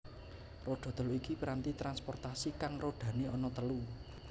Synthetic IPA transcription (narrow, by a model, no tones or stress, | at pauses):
roɖ̪̥ɔ̤t̪əluikipəɾant̪it̪ɾanspɔrt̪asikaŋroɖ̥ä̤neɔnɔt̪əlu